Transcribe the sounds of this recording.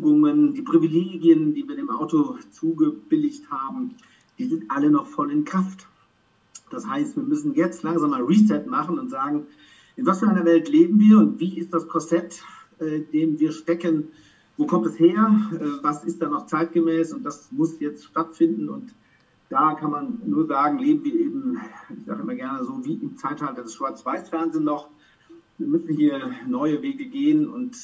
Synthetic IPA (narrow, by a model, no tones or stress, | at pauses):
ɡʊŋəndiːpʁ̥ivileːɡiəndiːviːdeːmʔa̰ʊtot͡suːɡəb̥ɪlɪçthaːbm̩ | d̥iːzɪntʔalənɔχfɔlɪnkʁ̥aft | d̥ashaɪstv̥iːɐmʏsn̩jɛt͡stlaŋzaːmːaːlʁiːsɛtmaχn̩ʊntz̥aːɡŋ̩ | ʔɪnvasfyːɐʔaɪnɐvɛltleːbm̩viːɐʊntv̥iːɪstd̥askʰɔsɛt | ʔɛɪndeːmviːɐʃtɛkən | voːkʰɔmtɛsheːɐʔɛːvasɪstd̥aːnɔχt͡saɪt̚ɡ̥əmɛːsʊntd̥asmʊsjɛt͡stʃtatfɪndn̩ʊ̰nt | d̥aːkʰanmannuːɐzaːɡŋ̩leːbm̩viːɐʔeːbm̩ɪçz̥aːɡəʔɪmɐɡɛɐnəzoːviːʔɪmt͡saɪthaltɐdɛsʃv̥aɪt͡sv̥aɪsfɛɐnzeːnːɔχ | viːɐmʏsn̩hiːɐnɔʏəveːɡəɡeːənʊ̰nt